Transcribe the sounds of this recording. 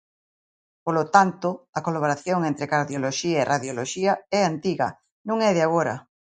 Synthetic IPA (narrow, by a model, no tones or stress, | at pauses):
polot̪ant̪ʊɐkolaβ̞oɾaθjoŋent̪ɾɪkaɾðjoloʃiaeraðjoloʃiɐɛant̪iɣɐ̰ | nũŋɛðɪaɣ̞oɾɐ̰